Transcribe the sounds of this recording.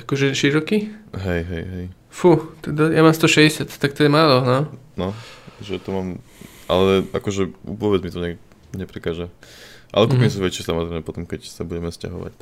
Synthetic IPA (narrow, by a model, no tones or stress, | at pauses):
akɔʒɛʃiɾɔkiɦɛjɦɛjɦɛj | fut̪ɛd̪ajamaːmst̪ɔʃɛɟɛsɪat̪t̪ak̚t̪ɔɛmaːlɔnɔnɔʒɛt̪ɔmaːm | ʔa̰lɛa̰kɔʒɛʋɔbɛd͡zmit̪ɔɲɛ | ɲɛpɾikaːʒɛʔa̰lɛkupinis̬uʋɛt͡ʃisamɔzɾɛɪmɛpɔt̪ɔmkɛcsabuɟɛmɛsca̰ɦɔʋa̰c